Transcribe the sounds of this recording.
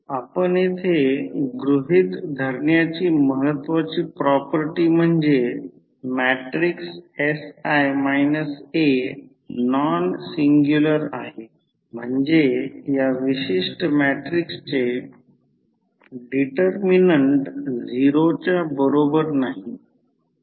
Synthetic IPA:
apəɳet̪ʰeɡɾuɦit̪d̪ʱəɾɳjat͡ɕiːməɦət̪ːʋat͡ɕiːpɾɔpəɾʈiːm̤əɳd͡ze | mɛʈɾiksesajmajnəse | nɔnsiŋɡjuləɾa̰ɦe | m̤əɳd͡zejaʋiɕiʂʈəmæʈɾikst͡ɕe | ɖiʈəɾminəɳʈd͡ziɾot͡ɕjabəɾobəɾnaɦi

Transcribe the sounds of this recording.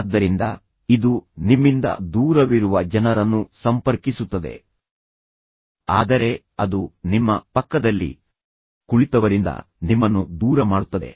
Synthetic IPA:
d̪ːɐɾind̪ɐ̰ | id̪unimːind̪ɐ̰d̪uːɾɐʋiɾuʋɐd͡ʒɐnɐɾɐnːusɐmpɐɾkisut̪ːɐd̪e̞̰ | a̰ːd̪ɐɾe̞ | ɐd̪unimːɐpɐkːɐd̪ɐlːḭ | kuɭit̪ɐʋɐɾind̪ɐ̰ | nimːɐnːud̪uːɾɐmaːɽut̪ːɐd̪e̞̰

